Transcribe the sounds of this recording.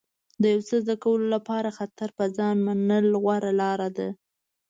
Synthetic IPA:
d̪əjawt͡səzd̪akawəlolapɑɾaxat̪aɾpəzɑnmanəlɣwaɾalɑɾad̪a

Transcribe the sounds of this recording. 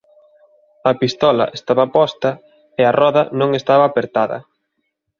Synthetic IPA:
ɐpist̪ɔlɐ̰ʔest̪aβɐpɔst̪ɐ | eɐrɔðɐnõŋest̪aβɐːpeɾt̪aðɐ̰

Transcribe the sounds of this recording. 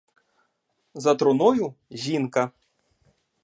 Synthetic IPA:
zɐt̪ɾɔnɔjuʑʲinkɐ

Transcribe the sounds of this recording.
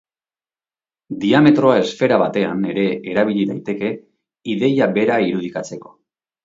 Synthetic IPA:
d̪iame̞t̪ɾo̞ae̞sfe̞ɾaβat̪e̞a̰ne̞ɾe̞eɾaβ̞iʎiðajt̪e̞ke̞ | iðe̞jabe̞ɾaiɾuð̞ikat͡se̞ko̞̥

